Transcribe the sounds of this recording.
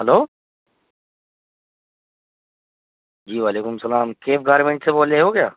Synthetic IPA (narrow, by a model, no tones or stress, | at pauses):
ɦɐloː | d͡ʒiːʋaːleːkʊmsɐlaːmkeːfɡaːɾmẽɳʈseboːleɦoːɡɪjaː